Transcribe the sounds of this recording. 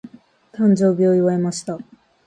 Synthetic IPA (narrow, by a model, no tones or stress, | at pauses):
t̪ãɲ̟d͡ʑo̞ːbʲioiβaemaɕi̥t̪a